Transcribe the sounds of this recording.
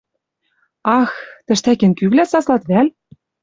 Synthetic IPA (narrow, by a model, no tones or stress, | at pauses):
ɑxt̪ɘ̆ʃt̪ækɘ̆nkyβlæsɑslɑt̪βælʲ